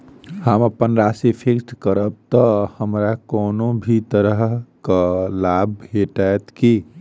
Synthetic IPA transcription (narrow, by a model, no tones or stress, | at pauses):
həməpənɾasepʰeksʈkəɾəb̚t̪ɔhəmɾakɔːnobʱit̪əɾəɦɦkalabɦeʈajt̪ki